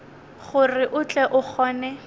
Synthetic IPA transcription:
χʊrɪʔʊt͡ɬʼɛʔʊχɔːnɛ

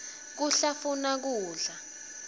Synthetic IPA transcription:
k̬uɬafunak̬uːɮa

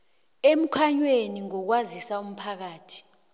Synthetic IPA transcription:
em̩kʰaɲweniŋɔk̬wazisaum̩pʰak̬aːtʰi̥

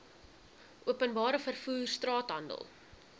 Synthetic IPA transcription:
ʔuəpənbɑːɾəfərfuːrstrɑːtɦɐndə̰lˠ

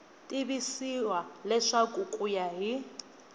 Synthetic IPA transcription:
tʼiβisiwalɛʂakʼukʼujaɦi

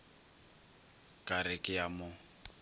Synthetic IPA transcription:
kʼaɾɪkʼɪjamʊ

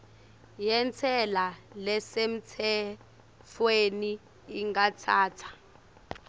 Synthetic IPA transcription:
jɛnt͡sʰɛlalɛsem̩t͡sʰɛ | fweniː | ŋɡat͡sʰaːtʰḁ

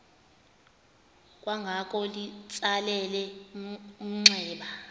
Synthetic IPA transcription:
kʼwaŋɡʱakʼɔlit͡sʼalɛlɛ | um̩ŋ͡ǀʱɛːɓa

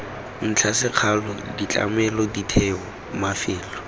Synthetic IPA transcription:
n̩t͡ɬʰasɪq͡χʰalɔdit͡ɬʼa̰mɛlɔditʰɛɔ | mafɪːlɔ

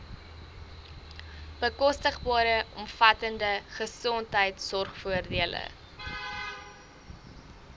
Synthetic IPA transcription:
b̥əkɔstəχbɑːɾəɔmfɐtəndəχəsɔntɦəjtsɔrχfuərdiələ̰

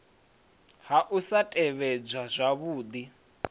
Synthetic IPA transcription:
ɦaʔusatʼɛβɛd͡zʷwazʷaβuːd̪i

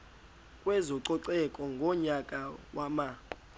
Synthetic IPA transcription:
kʼwɛzɔǀɔǀɛkʼɔŋɡʱɔɲakʼawama

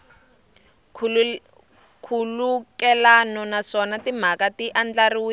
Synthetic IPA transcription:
kʰulukɛlanɔnaʂɔnatim̤akatiʔand͡ɮariwi

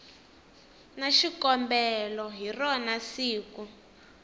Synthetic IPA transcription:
naʃikɔmbɛlɔɦirɔnasiːku

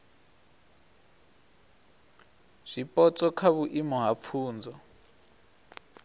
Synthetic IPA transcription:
z̥ipʼɔt͡sʼɔkʰaβuʔimɔɦap̪fʰuːnd͡zɔ

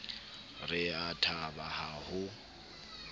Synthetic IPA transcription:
rɪatʰabahahʊ

